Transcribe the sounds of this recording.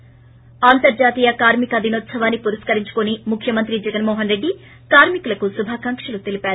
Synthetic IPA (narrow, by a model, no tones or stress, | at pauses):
aːnt̪ɐɾd͡ʒaːt̪iːjɐkaːɾmikɐɐd̪ʱinoːt̪sɐʋaːnːipuɾɐskɐɾiɲt͡ʃu̥konimukʰjɐmɐnt̪ɾid͡ʒɛɡɐnmɔːɦɐnɾe̞ɖːi | kaːɾmikulɐkusubʱaːkɐŋkʂɐlut̪elipaːɾu